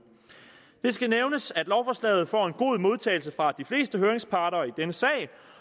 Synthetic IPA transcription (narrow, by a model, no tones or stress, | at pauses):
d̥e̝sɡ̥æneʊnəsæd̥lɒʊfɒslɛ̰ːð̞̩ˠfɒ̰ːe̝nɡ̥o̝ðˠmo̝ð̞ˠt͡sʰɛ̰ɪlsəfʁɑ̈d̥ifle̝̰ːsd̥əɦøːɐeŋspʰɑ̈ːɾɐːid̥enəsɛ̰ːɪ